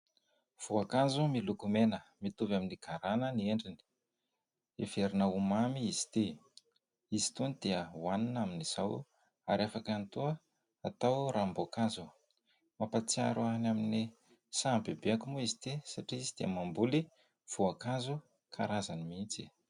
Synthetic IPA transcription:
v̥uakazumilukumenəmit̪uvaminiɡaɾanənieɳɖ͡ʐini̥ | eveɾinaumamiiz̥i̥t̪e | izi̥t̪unid̪̥eəwaninaminiz̥aw | a̰ɾafakant̪uə | at̪awɾambokazu | mapat͡sia̰ɾʔuanamini | sambibeakumuizi̥t̪esaʈ͡ʂiizid̪̥iəmambuli | v̥uakazu | kʰa̰ɾazanimint͡si

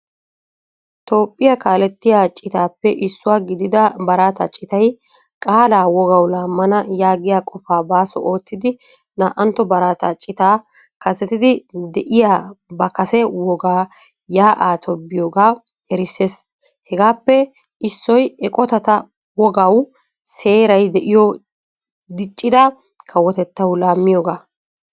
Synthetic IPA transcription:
t̪o̞ːpʼːɪjakaːlɛt̪ːɪjaːt͡ʃʼɪt̪aːpːɛʔɪsːʊwaːɡɪd̪ɪd̪ɐbɐɾaːt̪ɐt͡ʃʼɪt̪ɐj | kʼaːlaːwɔɡɐwlaːmːɐnɐjaːɡɪjaːkʼɔfaːbaːsɔ̰ʔo̞ːt̪ːɪd̪ɪ | naːʔɐnt̪ːɔbɐɾaːt̪ɐt͡ʃʼɪt̪aː | kɐzɛt̪ɪd̪ɪd̪ɛʔɪjaːbɐkɐsɛwɔɡaː | jaːʔaːt̪ʰɔbːɪjoːɡaː | ɛɾɪsːe̞ːs | hɛɡaːpːɛ | ʔɪsːɔjɛkʼɔt̪ɐt̪ɐ | wɔɡɐw | se̞ːɾɐjd̪ɛʔɪjɔ | d̪ɪt͡ʃʼːɪd̪ɐ | kʰɐwɔt̪ɛt̪ːɐwlaːmːɪjoːɡaː

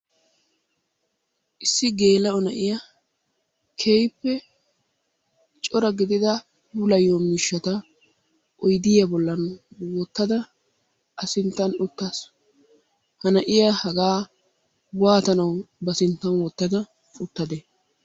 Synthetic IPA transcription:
ʔɪsːɪɡe̞ːlɐɔnɐʔɪjɐ | kʰejpːɛ | t͡ʃʼɔɾɐɡɪd̪ɪd̪ɐ | bʊlɐjomɪʃːɐt̪ɐ | ʔɔjd̪ɪjɐbɔlːɐnwɔt̪ːɐd̪ɐ | ʔɐsɪnt̪ːɐnʊt̪ːɐs | hɐnɐʔɪjɐhɐɡaː | waːt̪ɐnɐwbɐsɪnt̪ːɐnwɔt̪ːɐd̪ɐ | ʊt̪ːɐd̪ɛ

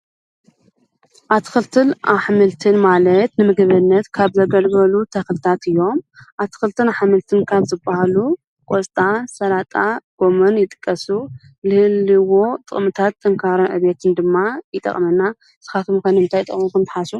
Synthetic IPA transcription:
ʔat̪ʰɨ̥xɨlt̪ʰɨnʔaħmɨlt̪ʰɨnmalɐt̪nɨmɨɡɨβɨnːɐt̪kʰaβzɐɡɐlɡɐlut̪ʰɐxlɨt̪ʰat̪ɨjːo̞mʔat̪ʰɨ̥xɨlt̪ʰɨnaħmɨlt̪ʰɨnkʰaβzɨbahalu | kʼost̪ʼasɐlat̪ʼaɡ̥o̞mɐnjɪt̪ʼɨ̥kʼːɐsu | lɨhɨlːɨwot̪ʼɨχʼmɨt̪ʰat̪ʼːɨŋkʰaɾɨnʕɨ̰βet̪ʰɨnd̪ɨmːajɪt̪ʼɐ̰χʼmɐnːa | z̥ɨ̥xat̪ʰmkɐnɨmɨnt̪ʰajt̪ʼɨ̰χʼmukʰɐmt̪ʰħasu

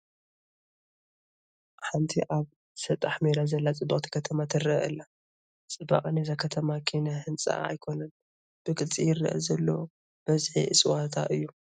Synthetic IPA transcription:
ħant̪ʰiʔaβ | sɐt̪ʼːaħmeɾazɐlːat͡sʼɨbaχʼt̪ʰi̥kʰɐt̪ʰɐmat̪ʰɨrɐʔɐ̰lːa | t͡sʼɨba̰χʼnezakʰɐt̪ʰɐmakʰinɐhɨnt͡sʼa̰a̰jkʰo̞nɐn | b̥ɨkʼɨt͡sʼijɪɾɨ̰ʔɐ̰zɐlːo | b̥ɐzħḭʔɨsʼwat̪ʰa̰ʔɨjːu

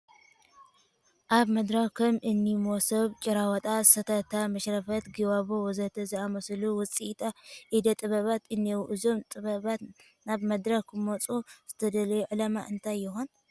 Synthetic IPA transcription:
ʔaβmɐd̪ɾɐxkʰɐmʔɨnːimosɐβt͡ʃʼɪɾawɔt̪ʼasɐt̪ʰɐt̪ʰamɐʃɾɐfɐt̪ɡiβaβowɔzɐt̪ʰɐziamɐsluwʊt͡sʼit̪ʰʼaʔid̪ɐt̪ʼɨβɐβat̪ɨnːewuʔɨzo̞mt̪ʼɨβɐβa | naβmɐd̪ɾɐkkɨmot͡sʼuz̥ɨt̪ʰɐd̪ɐlɐjuʕɨlama̰ʔɨnt̪ʰajːɪxon

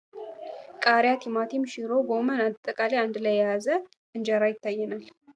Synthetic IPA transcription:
kʼaɾjat̪ʰimat̪ʰimʃiɾoɡomənat̪ʼːəkʼaliand̪lajːjazə | ʔɨnd͡ʒaɾajɪt̪ːajːɛnal

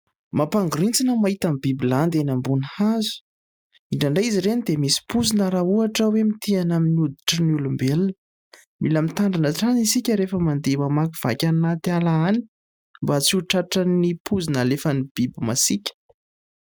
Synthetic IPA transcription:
mapaŋɡuɾint͡sinəmaɦit̪amibibiland̪enambunhazu̥ | iɳɖ͡ʐaɳɖ͡ʐajiziɾenid̪emisi̥puzinaɾauaʈ͡ʂəwemit̪ianaminud̪i̥ʈ͡ʂənulumbelnə | mʔiləmit̪aɳɖ͡ʐanəʈ͡ʂanisikʲəɾefəmand̪emamakiv̥a̰kʲannat̪ialaani̥ | mbat͡siuʈ͡ʂaʈ͡ʂənipʰuzinəlefənib̥ibimasikʲə̥

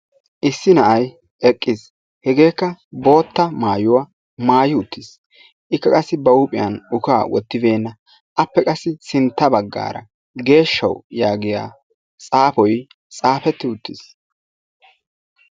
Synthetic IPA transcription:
ʔɪsːɪnɐʔɐj | ʔɛkʼːɪs | hɛɡe̞ːkːɐbo̞ːt̪ːɐmaːjʊwɐ | maːjɪʊt̪ʰːɪs | ʔɪkːɐkʼɐsːɪbɐʊpʼɪjɐ̰nʊkaːwɔ̰t̪ːɪbe̞ːnːɐ | ʔɐpːɛkʼɐsːɪsɪnt̪ːɐbɐɡːa̰ːɾɐ̰ | ɡe̞ːʃːɐ̰wjaːɡɪja̰ː | t͡sʼaːpɔj | t͡sʼaːpɛt̪ːɪʊt̪ːɪs

